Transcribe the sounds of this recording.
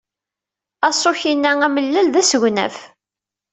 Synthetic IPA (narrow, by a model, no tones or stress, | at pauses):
ɑsˤoçinːææməlːælðæsəʝʷnæ̰f